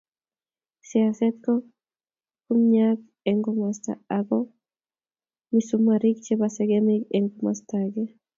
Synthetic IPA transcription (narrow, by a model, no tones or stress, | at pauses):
sjasɛt̪̚kɔ | kumɲak | eŋɡomast̪a̰aɡɔ | misumaɾik̚t͡ʃebasɛɡemiɡeŋɡoma̰st̪aɡe